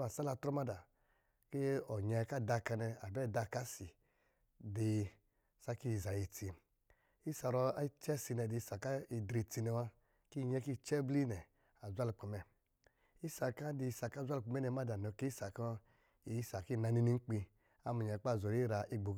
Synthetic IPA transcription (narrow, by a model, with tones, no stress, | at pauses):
a˨sa˦la˧tɾɔ˦ma˦da˨ | ke˦ɔ˨ɲɛ˧ka˦˨da˧ka˧nɛ˧a˨bɛ˦˨da˧ka˦si˨ | de˧ | sa˦ki˦i˨za˨ji˧t͡si˧ | i˦sa˨ɾɔ˧a˦t͡ʃɛ˦si˧nɛ˧˨di˧i˦sa˨ka˦i˧dɾi˧ti˧nɛ˧wa˦ | ki˦˨ɲɛ˦ki˦˨t͡ʃɛ˦bli˦nɛ˨ | a˨zʷa˦lu˧˨k͡pu˨mɛ˧ | i˦sa˧ka˦di˧i˧sa˧˨ka˦˨zʷa˦lu˨k͡pu˧mɛ˦nɛ˧ma˦da˨nɔ˨˧˨ke˦i˦sa˨kɔ˦ | i˨i˦sa˨ki˦˨na˧ni˧ni˧ŋ͡m̩˦k͡pi˧ | a˦mu˨ɲa˨˧˦k͡pa˦˨zɔ˨ɾi˦ɾa˧ʔi˦ɡ͡bo˨˦